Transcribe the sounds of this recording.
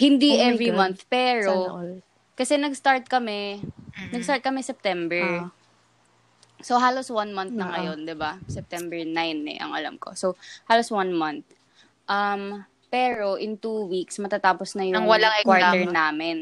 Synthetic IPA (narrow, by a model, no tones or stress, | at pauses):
hɪnd̪iʔɛvɹimɐnθpɛːɹo | kɐsɛnɐɡst̪aɹt̪̚kɐmɛnɐɡst̪aɹt̪̚kɐmɛsɛp̚t̪ɛmbɛɹ | soɦaːloswɐnmɐnθnɐŋɐjo̞nd̪ɪbasɛp̚t̪ɛmbɛɹnajnːɛ̰ʔɐ̰ŋɐ̰la̰mko̞̰sowhaːloswɐnmɐnθ̚ | ʔɐm | pɛːɹo̞ʔɪnt̪uwiksmɐt̪at̪aːposnɐjʊɐŋwɐlaŋkwaɹtɛɹnaːmɪn